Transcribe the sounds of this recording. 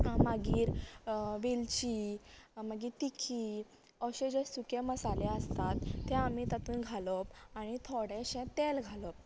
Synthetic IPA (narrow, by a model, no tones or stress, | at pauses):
maɡiːɾʋilt͡ɕiːməɡiːt̪ikʰiː | ɔɕẽd͡ʑesukeməsaleəst̪at̪ːɛamit̪at̪uːnɡʱalɔpaɽ̃it̪ʰoɽɛ̃ɕɛ̃t̪elɡʱalɔp̚